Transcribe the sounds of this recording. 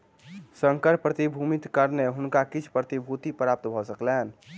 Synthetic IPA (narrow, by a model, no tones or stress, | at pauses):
sə̃ŋkəɾpɾət̪ibʱumɪt̪kəɾneɦʊnkakɪt͡ʃʰpɾət̪ibʱut̪ipɾaːp̚t̪bʱɔsəkleɛn